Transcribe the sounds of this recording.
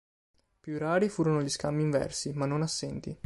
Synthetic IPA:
pjuraːɾifuːɾonoʎiskamːiːɱvɛ̰rsimanːonasːɛnt̪ḭ

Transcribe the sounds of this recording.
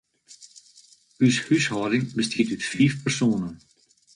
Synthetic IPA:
yshyshɔːdɪŋbəstʰiːtytfiːfpɛrsoːnən

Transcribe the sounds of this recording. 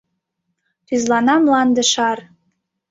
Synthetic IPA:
t̪yzlˠɑnɑmlˠɑnd̪ə̆ʃɑr

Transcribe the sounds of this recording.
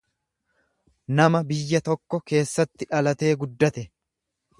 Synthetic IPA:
nɐmɐbɪjːɐt̪ɔkːɔke̞ːsːɐt̪ːɪᶑɐlɐt̪e̞ːɡʊd̪ːɐt̪ɛ

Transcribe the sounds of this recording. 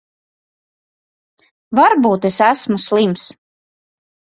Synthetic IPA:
vaɾbuːt̪esæsmuslˠims

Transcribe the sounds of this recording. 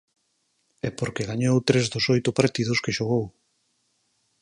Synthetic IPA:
ɛpoɾkeɣaɲowt̪ɾezðosojt̪ʊpaɾt̪iðʊskeʃoɣow

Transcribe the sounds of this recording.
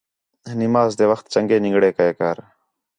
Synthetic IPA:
nɪmaːzd̪eːʋəxt̪̚t͡ʃəŋɡeːnɪ̃ŋɡɽeːkəeːkaːɾ

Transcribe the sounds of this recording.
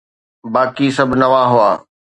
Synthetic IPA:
baːkisɐbʱnɐʋaɦʊa̰ː

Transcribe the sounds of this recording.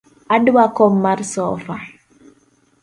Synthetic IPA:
adwakɔmːaɾsɔːfa

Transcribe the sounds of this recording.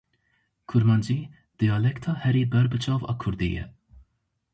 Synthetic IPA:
kʰuɾmɑnd͡ʒi | d̪̥ijɑlɛkt̪ʰɑhɛɾibɛɾbɨt͡ʃʰɑːvɑ̰kʰuɾd̪ḭjɛ̰

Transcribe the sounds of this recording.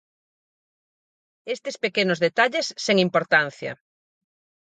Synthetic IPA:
est̪ɪspekenʊzðet̪aʎesːeŋimpoɾt̪an̟θjɐ̰

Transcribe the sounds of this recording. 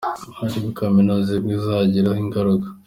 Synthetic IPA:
uɟiβukaminozibɡizaɟiɾahiŋɡaɾuɡḁ

